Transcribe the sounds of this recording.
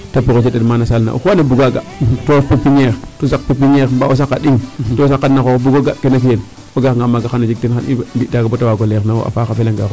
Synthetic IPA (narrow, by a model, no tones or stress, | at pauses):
tapukot͡ʃededmanasalna̰ʔṵkanebuɡaɡa̰topepiɲeɾtosakpepiɲeɾmbaos̬akːaɗiŋtosakːanaoobuɡoɡakenak̬ien | oɡakŋɡamaɡaxanad͡ʒik̚tinxanḭbitaɡabotawaɡolenawo̰a̰fakafelaŋɡa̰ko